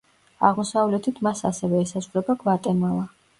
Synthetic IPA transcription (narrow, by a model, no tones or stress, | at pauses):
a̰ʁmɔsavlɛt̪ʰit̪ʰmasa̰sɛvɛːsazʁuɾɛbaɡvat̪ʼɛnalˠa